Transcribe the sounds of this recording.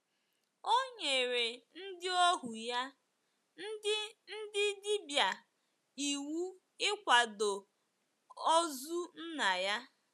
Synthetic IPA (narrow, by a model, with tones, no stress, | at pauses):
o˦ɲe˨ɾe˨n̩˦dɪ˦ɔ˦ɦu˨ja˦ | n̩˦ɪ˦n̩˦dɪ˦dɪ˦bja˨ | i˨wu˦ | ɪ˦kʷa˨do˨ | ɔ˦zu˦n̩˦na˨ja˦